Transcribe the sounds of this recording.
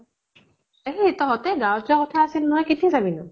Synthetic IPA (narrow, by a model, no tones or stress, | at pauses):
eletɔɦɔtɛɡawtakɔtʰaːsilnɔɦɔjkitʰisabinɔ